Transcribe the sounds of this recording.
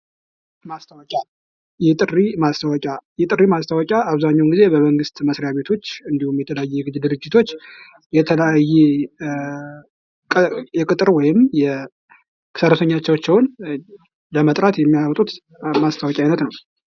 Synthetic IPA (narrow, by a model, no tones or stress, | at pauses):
mast̪ʰawɔkʲʼa | jɛt̪ʼɨrːimast̪ʰawɔkʼajɛt̪ʼɨrimast̪ʰawɔkʼaʔaβzaɲːawnɡize̞bəməŋɡɨst̪məsɾejaβe̞t̪ʰo̞t͡ʃːɨnd̪ihumjɛt̪ʰələjajːɛɡɨd̪ɨɾɨd͡ʒːɪt̪ʰo̞t͡ʃː | jɛt̪ʰələjajːɛ | kʼjɛkʼɨt̪ʼɨɾwɔjɪmjɛ | kʰɨ̥səɾət̪ʰəɲːat͡ʃːɛwt͡ʃːɛwn | ləmət̪ʼɾat̪jɛmːijawt̪ʼut̪ | mast̪ʰawɔkʼjajnət̪nəw